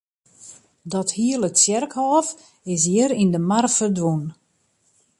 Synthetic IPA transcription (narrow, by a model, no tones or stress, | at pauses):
dɔthiələtsjɛrkhɔːf | ɪs̬jiəɾindəmarfərdʋun